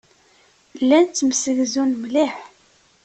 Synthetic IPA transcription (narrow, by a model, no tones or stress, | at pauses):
lːænt͡s̪ːmsəɣzunmliħ